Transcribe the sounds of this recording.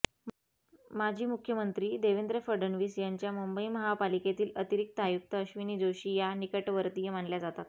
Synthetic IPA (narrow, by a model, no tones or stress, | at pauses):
mad͡ʑʱiːmukʰjəmənt̪ɾiːd̪eʋend̪ɾəfəɾɖəɳʋiːsjaɲt͡ɕjamumbəiməɦapaliket̪iːlət̪iɾik̚t̪əajuk̚t̪əəɕʋiniːd͡zoɕiːjanikəʈʋəɾt̪ijemaɳljad͡zat̪at̪